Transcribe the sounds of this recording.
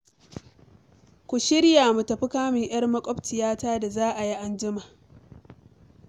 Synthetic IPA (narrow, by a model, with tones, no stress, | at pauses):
kʷʊ˨ʃɪ˦ɽjaː˨mu˨tɐ˨ɸɪ˦kaː˦mɪ˨ŋj̰ɐ˦rmɐ˦kʷʼɔ˦btɪ˨jaː˦taː˦da˨zaː˦ʔa˨ji˦ʔa˦nd͡ʒɪ˦maː˨